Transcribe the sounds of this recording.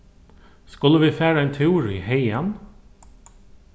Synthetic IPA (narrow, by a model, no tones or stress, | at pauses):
skɑləʋiːfæːɾæɪnt̪ʰɛuːɾɪheɪɛn